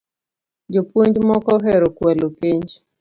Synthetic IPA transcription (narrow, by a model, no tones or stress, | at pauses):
d͡ʒopuɲd͡ʒmɔkɔɦɛɾokwɛlokiɲd͡ʒ